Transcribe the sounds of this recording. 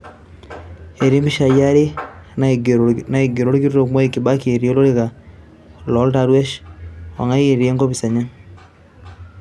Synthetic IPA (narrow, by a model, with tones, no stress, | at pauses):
e˨ɾi˦mbi˦ʃa˨ja˦ɾe˦nna˨e˨ɡe˨ɾo˦ɾki˦ɾo˦ɾo˨kmwa˦i˦ki˨βa˦ke˨ɾi˦o˦lo˦ɾe˦ɣa˨ | lo˦lta˦ɾwe˦ʃo̰˨ŋa˦i˦e˨ɾi˨e˦ŋɡo˦βi˨sa˨ɲa˦